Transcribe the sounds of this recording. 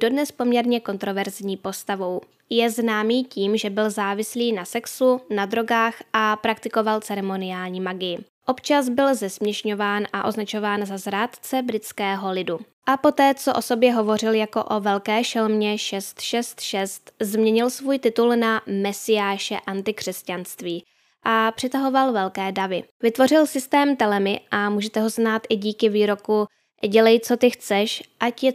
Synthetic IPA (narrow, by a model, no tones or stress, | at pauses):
d̥o̞dnɛspo̞mɲɛɾɲɛko̞nt̪ɾo̞vɛɾzɲiːpo̞st̪avo̞w | jɛznaːmiːciːmʒɛbɪlzaːvɪsliːnasɛksunad̪ɾo̞ɡaːxʔapɾak̚t̪ɪko̞valt͡sɛɾɛmo̞nɪjaːlɲiːmaɡɪjɪ | ʔo̞pt͡ʃazbɪlzɛsmɲɛʃɲo̞vaːnʔaʔo̞znat͡ʃo̞vaːnzazɾaːt̪t͡sɛbɾɪt͡skɛːɦo̞lɪdu | ʔapo̞t̪ɛːt͡so̞ʔo̞so̞bjɛɦo̞vo̞rɪljako̞̰ʔo̞vɛlkɛːʃɛlmɲɛʃɛst̪ʃɛst̪ʃɛst̪zmɲɛɲɪlsvuːjt̪ɪt̪ulnamɛsɪjaːʃɛ̰ʔant̪ɪkr̥ɛscanst̪viː | ʔapr̥ɪt̪aɦo̞valvɛlkɛːdavɪvɪt̪vo̞rɪlsɪst̪ɛːmt̪ɛlɛmɪʔamuːʒɛt̪ɛɦo̞znaːt̪ʔɪɟiːkɪviːɾo̞ku | ɟɛlɛjt͡so̞t̪ɪxt͡sɛʃʔacjɛ